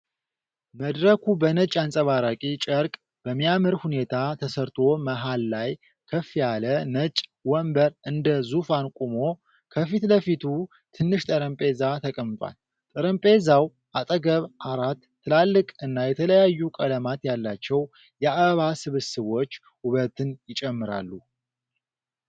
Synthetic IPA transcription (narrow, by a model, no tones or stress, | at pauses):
məd̪ɾəkʰubənət͡ʃʼːansʼəβaɾakʼit͡ʃʼəɾkʼ | b̥əmːijaməɾhune̞t̪ʰat̪ʰəsəɾt̪ʰo̞məɦalːaj | kʰəfijalənət͡ʃʼwɔmbəɾʔɨnd̪əzufankʼumo̞ | kʰəfit̪ləfit̪ʰu | t̪ʰɨnːɨʃt̪ʼəɾəmpʼe̞zat̪ʰəkʼəmːt̪ʼwa̰l | t̪ʼəɾəmpʼe̞zaw | ʔat̪ʼəɡəβʔaɾat̪ʰːɨlalːɨkʼɨnːajɛt̪ʰələjajːukʼələmat̪jalːat͡ʃːɛw | jɛaββasɨβɨsɨβo̞t͡ʃː | uβət̪ɨnjɪt͡ʃʼɛmːɨɾa̰lːu